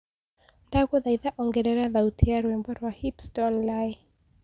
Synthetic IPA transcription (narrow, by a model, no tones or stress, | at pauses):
ndakuðaiðaʔɔŋɡɛɾɛɾaðautijaɾwɛmbɔɾwahipstɔnlaj